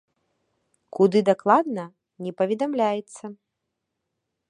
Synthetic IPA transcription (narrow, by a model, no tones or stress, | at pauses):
kud̪ɨd̪aklˠad̪̚nɐ | nʲɛpɐvʲɛd̪amlʲajɛt̪sːɐ